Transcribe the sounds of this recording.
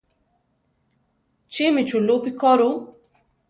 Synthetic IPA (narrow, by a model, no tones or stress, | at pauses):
t͡ʃemit͡ʃʰulopikɔɾu